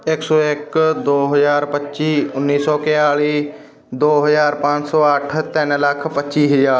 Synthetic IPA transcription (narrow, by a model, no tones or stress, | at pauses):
ɪksɔːɪkd̪oːɦəzaːɾpətːʃiːʊnːiːsɔːkɪjaːliː | d̪oːɦəzaːɾpãːt͡ʃsɔːəʈʰt̪ɪnləkʰpətːʃiːɦɪjaː